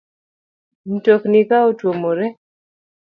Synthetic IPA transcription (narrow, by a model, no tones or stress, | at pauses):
n̩toknikaotwomoɾɛ